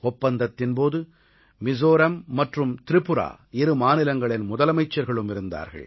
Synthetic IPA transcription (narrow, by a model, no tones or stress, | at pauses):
ɔpːɐnd̪ɐt̪ːɪnpoːðɯ | mɪsoːɾɐmːɐʈrɯmt̪ɪɾɪpːɯɾa̰ː | ɪɾɯmaːnɪlɐŋɡɐɭɪnmʊðɐlɐmɐɪt͡ʃːɐɾɣɐɭɯmɪɾɯnd̪a̰ːɾɣɐ̰ɭ